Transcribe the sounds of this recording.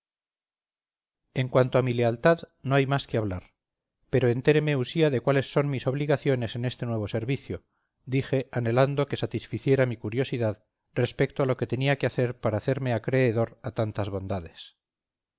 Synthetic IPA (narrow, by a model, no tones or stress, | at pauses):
e̞ŋkwant̪oamile̞alt̪að | no̞ajmaskeaβ̞laɾ | pe̞ɾoe̞nt̪e̞ɾe̞me̞usiaðekwale̞sːo̞nmiso̞β̞liɣaθjo̞ne̞se̞ne̞st̪e̞nwe̞β̞o̞seɾβiθjo | d̪ixe̞ane̞land̪o̞ke̞sat̪isfiθje̞ɾamikuɾjo̞siðað | re̞spe̞k̚t̪oalo̞ke̞t̪e̞niakeaθe̞ɾpaɾaːθe̞ɾme̞akɾe̞ːðo̞ɾat̪ant̪azβo̞nd̪aðe̞s